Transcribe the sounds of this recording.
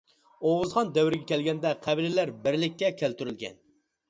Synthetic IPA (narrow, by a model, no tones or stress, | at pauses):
oʁɨzʁɑnd̪ɛwɪɾɪɡʲɛkʲʰɛlɡʲɛnd̪ɛqʰæbilɪlæɾbɪɾlɪkʲːɛkʲʰælt̪yɾylɡʲɛ̰n